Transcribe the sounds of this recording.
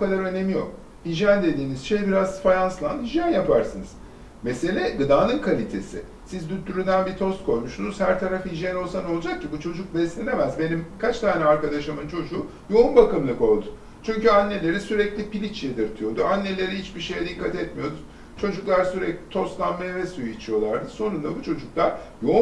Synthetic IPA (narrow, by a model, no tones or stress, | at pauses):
bukad̪aɾø̞ne̞mijo̞̰k | hiʒænd̪e̞d̪iːniz̥ʃejbiɾazfajanslˠanhiʒjanjapʰaɾsɯnɯz̥ | mese̞lʲɛɡɯd̪aːnɯnkʰalʲit̪ʰe̞sɪ̰ | sizd̪yt̪ʰːyɾynd̪ænbit̪ʰo̞st̪̚kʰo̞jmuʃsunuz̥hæɾt̪ʰaɾafhiʒjɛno̞lˠsano̞lˠd͡ʒak̚cʰːibut͡ʃʰo̞d͡ʒuk̚bɛslʲinemɛzbe̞nimkʰat͡ʃt̪ʰaːnɛaɾkad̪aʃamɯnt͡ʃʰo̞d͡ʒuː | jo̞umbakɯmlˠɯko̞lˠd̪ʊ̥ | t͡ʃʰyɲʲcyanːe̞lʲe̞ɾisyɾɛclʲipilʲit͡ʃjed̪ɯɾt̪ʰɯjo̞d̪uanːe̞lʲe̞ɾihit͡ʃbiʃe̞jɛd̪ikːat̪ɛt̪mijo̞d̪u | t͡ʃʰo̞d͡ʒuklˠaɾsyɾɛclʲit̪ʰo̞st̪lˠanmajavɛsujuit͡ʃʰijo̞lˠaɾd̪ɯso̞nund̪abut͡ʃʰo̞d͡ʒuklˠaɾ̥jo̞